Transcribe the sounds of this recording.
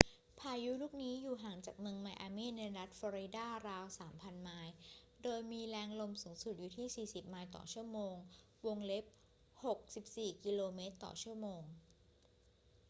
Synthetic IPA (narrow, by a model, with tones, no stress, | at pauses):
pʰaː˧ju˦˥luː˥˩k̚niː˦˥juː˨˩ɦaː˩˦ŋt͡ɕaː˨˩k̚mɯ˧ŋma˧jʔaː˧miː˥˩nna˧jɾa˦˥t̪̚fɔː˧ɾi˧daː˥˩ɾaː˧wsaː˩˦mpʰa˧nmaː˦˥j | doː˧jmiː˧lɛː˦˥ŋlo˧msuː˩˦ŋsu˨˩t̪̚juː˨˩t̪ʰiː˥˩siː˨˩si˨˩p̚maː˧jt̪ɔ̰ː˨˩t͡ɕʰu˥˩ɐəmoː˧ŋ | wo˧ŋle˦˥p̚ | ho˨˩k̚si˨˩p̚siː˨˩ki˧loː˧meː˦˥t̪ːɔ̰ː˨˩t͡ɕʰu˥˩əmoː˧ŋ